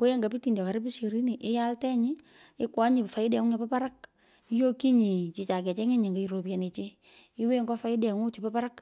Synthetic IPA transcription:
ko˦je˦ŋɡa˨pi˦ti˨ndɔ˨ka˨ɾɪ˦pi˦ʃe˨ɾi˦ni˨ʔɪ˦ja˦ltɛ˦ɲɪ˦ɪ˦kwa˦ɲɪ˨fa˨ɪ˦dɛ˨ŋu˦ɲa˨pa˦pa˦ɾa˦k̚ | i˦jo˦ki˦ɲi˨t͡ʃi˨t͡ʃa˨kɛ˨t͡ʃɛ˦ŋe˦ɲe˨ŋɡa˨i˨ɾo˨pja˨ne˨t͡ʃe˦ɪ˦we˦ŋɡɔ˦fa˦ɪ˦dɛ˨ŋu˦t͡ʃi˨pa˦pa˦ɾa˦k

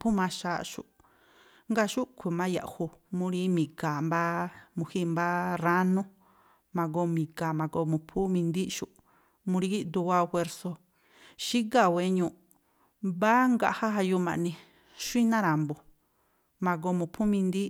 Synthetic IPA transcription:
pʰu˦mã˧ʃaː˨ʃṵ˨ | ŋɡa˧ʃu˦kʰʷu˧mã˦ja̰˨ʔhu˧mũ˧ɾi˦mĩ˨ka˨mba˦mũ˧hi˦˧mba˦ra˦nũ˦ | mã˧ɡo˧mĩ˨ka˨mã˨ɡo˧mũ˧˨pʰu˦mĩ˧nd̪i˦ʃu˧ʔ | mũ˧ɾi˧˦i˦d̪u˧wa˧xʷwe˧ɾso˧ | ʃi˦ɡa˧˨we˧ɲũ˧˨ | ba˦ŋɡa˧ʔha˦ha˧ju˧mã̰˨˧nĩ˧ | ʃʷi˦nã˦ɾa˨mbo˨ | mã˧ɡo˧mũ˧˨pʰu˦mĩ˧nd̪i˦

